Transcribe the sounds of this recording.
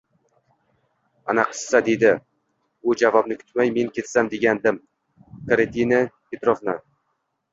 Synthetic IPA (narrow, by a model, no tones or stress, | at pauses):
anaqʰɨ̥sːad̪e̞d̪ɪ | ʊd͡ʒavɒbnɪkʰʲʊ̥t̪majme̞ŋkʲʰe̞t̪samd̪e̞ɡʲand̪ɪm | kʰaɾet̪ʰinapet̪ɾofna